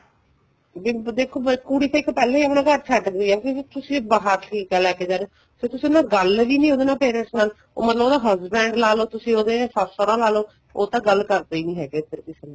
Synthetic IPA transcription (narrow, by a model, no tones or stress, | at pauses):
biːd̪eːkʰoːkuːɽiːt̪ãːɪkpɛːlãːiːəpnãːkəɾt͡ʃʰəʈɡoiːɛːket̪ʊsĩːbaɦaːʈʰiːkɛːlɛːkeːd͡ʒaːneː | sʰɪt̪ʊsĩonãːɡəlʋiːnĩːoːd̪eːnãːpɛːɾə̃nsnaːl | o̰ːmət̪ləboːd̪aːɦəzbɛ̃ːɳɖlaːloːt̪ʊsĩːoːd̪ẽːsaːsoːɾãːlaːloː | oːt̪ãːɡəlkəɾt̪aːiːnĩːɦɛːɡeːpʰɪɾkɪseːnãː